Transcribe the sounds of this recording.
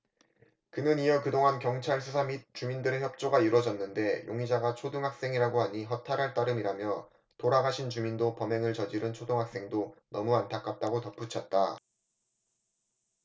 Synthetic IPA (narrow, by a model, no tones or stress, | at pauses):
kɯnɯnijʌkɯdoŋɦankjʌŋt͡ɕʰaɭsʰusʰamit̚t͡ɕ͈umindɯɾeçjʌp̚t͡ɕ͈oɡaiɾwʌd͡ʑʌnːɯnde̞jʔoŋid͡ʑaɡat͡ɕʰodɯŋɦak̚s͈e̞ŋiɾaɡoɦaɲiɦʌtʰaɾɦaɭt͈aɾɯmiɾamjʌ | toɾaɡaɕʰint͡ɕumindopʌme̞ŋɯɭt͡ɕʌd͡ʑiɾɯnt͡ɕʰodɯŋɦak̚s͈e̞ŋdonʌmuantʰak͈ʰat͈aɡotʌp͈ut͡ɕʰʌt̚t͈a